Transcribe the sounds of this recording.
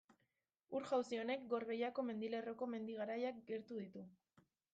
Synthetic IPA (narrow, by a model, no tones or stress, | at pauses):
uɾʝawsio̞ne̞kɡo̞ɾβe̞jako̞me̞nd̪ile̞ro̞ko̞me̞nd̪iɣ̞aɾajak̚ɡe̞ɾt̪uðit̪u